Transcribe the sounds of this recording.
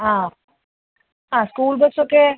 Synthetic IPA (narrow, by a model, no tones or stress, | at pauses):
ɦã | ɦãskuːlbəssoke